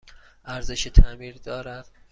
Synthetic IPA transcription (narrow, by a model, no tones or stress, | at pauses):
ʔæɾze̞ʃet̪ʰæmiːɾd̪ɒːɾæd̪̥